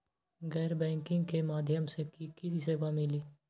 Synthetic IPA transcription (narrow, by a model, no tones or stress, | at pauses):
ɡɛːɾbɛ̃ːŋkɪ̃ŋɡkemaːd̪ʱjəmsekikɪsiseːbamɪliː